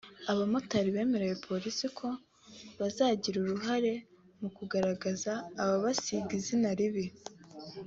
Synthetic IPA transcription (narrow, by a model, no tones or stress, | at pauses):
aβamutaɾiβe̞ːme̞ɾejepʰo̞ɾisikʰo̞ | βazaːɟiɾuɾuɦaɾe̞ | mukuɡaɾaɡazaːβaβasiɡizinaɾiβi